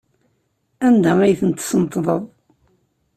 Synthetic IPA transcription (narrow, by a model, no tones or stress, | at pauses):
ænd̪æijθənt̪sənt̪ˤːðˤəðˤ